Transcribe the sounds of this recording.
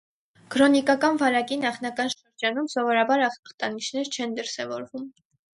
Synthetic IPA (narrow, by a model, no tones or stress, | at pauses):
kʰɾɔnikɑkɑnvɑɾɑkinɑχnɑkɑnʃəɾd͡ʒɑnumsɔvɔɾɑbɑɾɑχɑχt̪ɑnit͡ʃʰnɛɾt͡ʃʰɛnd̪əɾsɛvɔɾvum